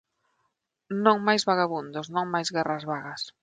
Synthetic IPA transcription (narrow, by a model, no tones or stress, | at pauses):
nõŋmajzβaɣaβund̪ʊsnõŋmajzɣɛrazβaɣas